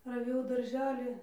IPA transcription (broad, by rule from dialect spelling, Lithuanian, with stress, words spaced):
rɐˈʋʲeːjɛʊ dɐrʲˈʒʲæːlʲiː